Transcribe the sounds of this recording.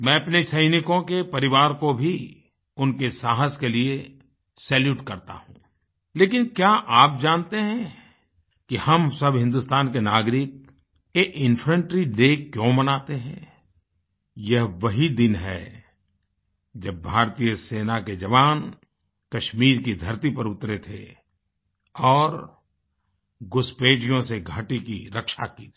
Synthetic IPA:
mɛ̃ːɐpnesɐɪnɪkõkepɐɾɪʋaːɾkobʱi | ʊnkesaːɦəskelie | sɛːljuːʈkɐɾt̪a̰ɦũː | leːkɪnkjaːʔaːp̚d͡ʒaːnt̪eɦɛ̃ | kihɐmsɐbʱɦɪ̃nd̪ʊst̪aːnkenaːɡɾɪk̚ | jeʔɪ̃npʰɾə̃ɳʈɾiɖeːkjõmɐnaːt̪eɦɛ̰̃ː | jɐɦʋɐɦid̪ɪnɦɛ̰ | d͡ʒɐb̚ːʱaːɾt̪ijəseːnaked͡ʒɐʋaːn | kɐʃmiːɾkid̪ʱɐɾt̪ipɐɾʊt̪ɾet̪ʰḛ | ɔːɾ | ɡʊspeːd͡ʒijõseɡʱaːʈikiɾɐkʃakiːt̪ʰ

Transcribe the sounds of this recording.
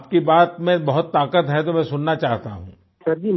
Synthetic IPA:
p̚kibaːt̪mẽbɐɦʊt̪ːaːkət̪ɦɛt̪̬omɛ̃ːsʊnːat͡ʃaːɦt̪a̰ɦṵ̃ː | sɐɾd̪im

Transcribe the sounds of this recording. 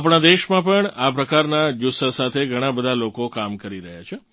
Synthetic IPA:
apɳ̃ad̪eʃmãpəɳapɾəkaɾnad͡ʒusasat̪ʰeɡʱəɽ̃abəd̪ʱalokokamkəɾiɾəɦjat͡ʃʰe

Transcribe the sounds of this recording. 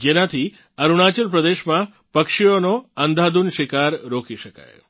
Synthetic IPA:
d͡ʒenãt̪ʰi | əɾuɽ̃at͡ʃəɾpɾəd̪eʃmã | pəkʃijonoənd̪ʱad̪unʃɪkaɾɾokiʃəka̰j

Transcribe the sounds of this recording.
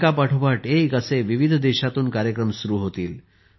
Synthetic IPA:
kapaʈʰubʋaʈekəseʋiʋid̪ʱd̪eɕat̪uːnkaɾjəkɾəmsuɾuːɦot̪iːl

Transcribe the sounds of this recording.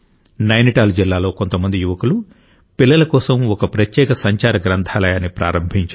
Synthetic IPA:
nɐjniʈaːld͡ʒilːaːlo̞ːko̞nt̪ɐmɐnd̪ijuʋɐkulu | pilːɐlɐkɔːsɐmɔkɐpɾɐt̪jɛːkɐsɐɲt͡ʃaːɾɐɡɾɐnt̪ʰaːlɐjaːnipɾa̰ːɾɐmbʱiɲt͡ʃ

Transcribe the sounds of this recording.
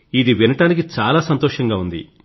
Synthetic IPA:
id̪iʋinɐʈaːnikit͡ʃaːlaːsɐnt̪ɔːʂɐŋɡaːund̪ḭ

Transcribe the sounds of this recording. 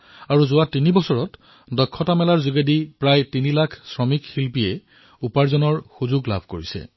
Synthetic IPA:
aɹuzʊwatinibɔsɔɹɔt | dɔkʰːɔtamɛlaɹzuɡedipɹajtinilakʰsɹɔmikxilpijɛ | upaɹzɔnɔɹxuzuɡla̰bʱkoɹisɛ̰

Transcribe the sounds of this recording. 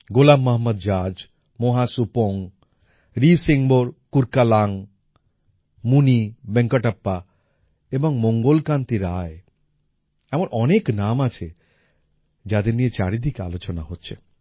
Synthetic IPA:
ɡolamːaɦmod̪d͡ʒad͡ʑ | moɦasupoŋ | ɾisiŋboɾkuɾkalaŋ | munibeŋkoʈapːa | eboŋmoŋɡolkant̪iɾae | ɛmonʔɔneknamat͡ɕʰe | d͡ʑad̪eɾniet͡ɕaɾid̪ʱika̰lot͡ɕonaɦotːɕʰe

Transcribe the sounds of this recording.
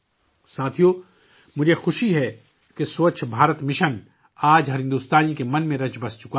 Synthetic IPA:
saːt̪ʰijo | mʊd͡ʒʱexʊʃiɦɛ | kesoːt͡ʃʰbʱaːɾət̪mɪʃən | aːd͡ʒɦɐɾɪ̃nd̪ust̪aːnikemɐnmẽɾɐt͡ʃbɐst͡ʃʊka

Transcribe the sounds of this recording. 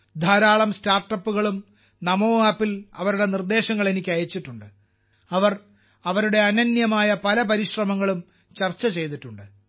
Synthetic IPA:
d̪ʱaːɾaːɭɐmstaːrʈːɐpːuɣɐɭum | nɐmo̞ːaːpːilɐʋɐɾuɽe̞nird̪e̞ːɕɐŋːɐɭe̞nikʲːɐjɐt͡ɕːiʈːuɳɖɨ | ɐʋɐr | ɐʋɐɾuɽe̞ɐnɐnjɐmaːjɐpɐlɐpɐɾiɕrɐmɐŋːɐɭum | t͡ɕɐrt͡ɕːɐt͡ɕe̞jt̪iʈːuɳɖɨ

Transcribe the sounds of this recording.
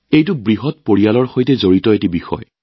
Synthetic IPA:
ejtʊbɹiɦɔt̚poɹijalɔɹxojtɛzoɹitɔetibixɔ̰j

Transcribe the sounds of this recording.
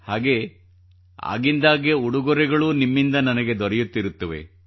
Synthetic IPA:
haːɡe̞ː | a̰ːɡind̪aːɡe̞uɽuɡɔɾɛɡɐɭuːnimːind̪ɐnɐnɐɡe̞d̪ɔɾɛjut̪ːiɾut̪ːɐʋe̞̰

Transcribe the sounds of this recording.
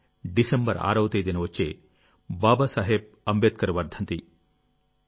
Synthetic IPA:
ɖisembɐɾa̰ːɾɐʋɐt̪ɐjd̪inɐʋot͡ʃːe | baːbɐsɐɦeb̚ɐmbɐt̪̚kɐɾɐʋɐɾd̪ʱɐnt̪i

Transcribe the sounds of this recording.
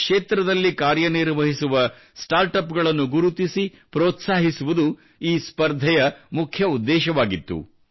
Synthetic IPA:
kʂeːt̪ɾɐd̪ɐlːikaːɾjɐniɾʋɐɦisuʋɐ | sʈaːɾʈɐpɡɐɭɐnːuɡuɾut̪isi | pɾoːt̪saːɦisuʋud̪u | iːspɐɾd̪ʱɛjɐmukʰjɐud̪ːɛːʃɐʋaːɡit̪ːṵ

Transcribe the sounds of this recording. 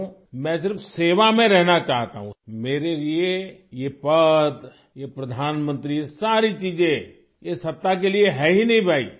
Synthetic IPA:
mɛ̃sɪɾfseːʋamẽɾɛɦnat͡ʃaːɦt̪a̰ɦũmeːɾeliejepɐd̪ | jepɾɐd̪ʱaːnmə̃nt̪ɾisaːɾit͡ʃiːd͡ʒẽ | jesɐt̪ːak̬elieɦɛɦinɐɦĩbʱaːḭː

